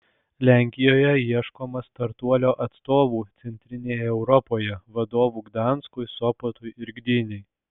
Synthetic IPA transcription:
lʲæˑŋʲkʲɪjoːjɛiɛʃkoːmɐst̪ɐɾt̪uɔlʲoːʔɐt̪st̪oːʋuːt̪sʲɛnʲt̪ʲɾʲɪnʲeːjɛɛʊɾɔpoːjɛʋɐd̪oːʋuːɡd̪ɑˑnskʊɪsɔpot̪ʊjɪɾʲɡd̪ʲɪnʲɛɪ

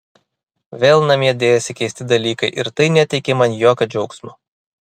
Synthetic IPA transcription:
ʋʲeːlˠnɐmʲiɛd̪ʲeːjɛsʲɪkʲɛɪsʲt̪ʲɪd̪ɐlʲiːkɐɪʔɪɾt̪ɐɪnʲɛt̪ʲɛɪkʲemɐnjoːkʲɐd͡ʒʲɛʊksmo

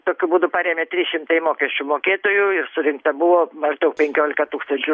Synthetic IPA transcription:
t̪oːkʲʊbuːd̪ʊpɑːɾʲeːmʲet̪ʲɾʲɪsʃʲɪmt̪ɐɪmoːkʲɛsʲt͡ʃʲʊmoːkʲeːt̪oːjʊɪrsʊɾʲɪŋk̚t̪ɐbʊʋoːmɐʒd̪ɐʊk̚pʲɛŋʲkʲoːlʲɪkɐt̪uːkst̪ɐnʲt͡ʃʲʊ

